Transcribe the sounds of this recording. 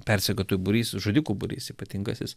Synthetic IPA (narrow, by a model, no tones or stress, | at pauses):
pʲɛɾʲsʲɛkʲoːt̪oːjbʊɾʲiːsʒoːd̪ʲikuːbʊɾʲḭːsiːpɐt̪ʲɪŋɡɐsʲɪs